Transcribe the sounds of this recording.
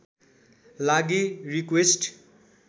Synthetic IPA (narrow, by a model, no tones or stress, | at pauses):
laɡirikwesʈ